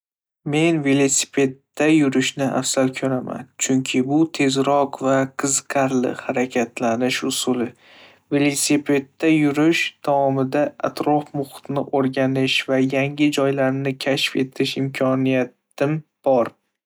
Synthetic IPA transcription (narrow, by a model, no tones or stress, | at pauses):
me̞nve̞lˠosɪ̥pʰe̞d̪ːajʊɾɪʃnɪʔa̰fsalkʰɵɾama̰nt͡ʃʰʊŋkʲʰɪbʊt̪ʰe̞zɾɒqvaqʰɨzqʰɑɾlɪ̰haɾakʲʰat̪lanɪʃʊsʊlɪ | ve̞lˠosipʰe̞d̪ːajʊɾɪʃd̪ʰaɒmɪd̪aa̰t̪ʰɾɒfmʊχʊ̥t̪nɪʔoɾɡʲanɪʃvajaŋɪd͡ʒɒjlaɾnɪkʲʰaʃfe̞t̪ʰɪʃɪmkʰɒnijat̪ | ɪmb̥ɒɾ